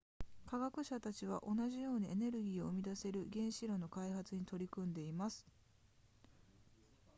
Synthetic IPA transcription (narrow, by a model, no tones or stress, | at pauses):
kaɡakɯ̟ɕat̪at͡ɕiβ̞a̰ʔo̞naʑijo̞ːɲ̟iene̞ɾɯ̟ɡʲiːo̞ɯmʲid̪ase̞ɾɯ̟ɡẽ̞ɰ̃ɕiɾo̞no̞kaiɦat͡sɨɲ̟it̪o̞ɾʲikɯ̟̃nd̪e̞imasɨ̥